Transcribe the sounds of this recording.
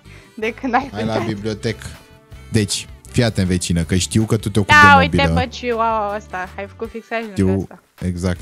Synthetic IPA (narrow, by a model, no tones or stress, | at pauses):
d̪ekɨnajajlabibliot̪ek | d̪et͡ʃʲfiat̪eɨnvet͡ʃinəkəʃt̪iwkət̪ut̪eok̪uawitb̪eət͡ʃuwawəst̪aajfə̥kufiksaʃiwt̪a | eɡzak̚t̪